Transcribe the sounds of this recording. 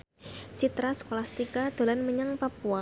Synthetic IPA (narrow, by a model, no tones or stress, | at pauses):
t͡ʃit̪ɾaskolast̪ikad̪̥o̤lanməɲaŋpapua